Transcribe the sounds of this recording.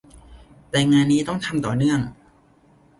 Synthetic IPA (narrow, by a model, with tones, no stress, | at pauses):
t̪ɛː˨˩ŋaː˧nːiː˦˥t̪ɔ˥˩ŋt̪ʰa˧mt̪ɔː˨˩nɯ˥˩əŋ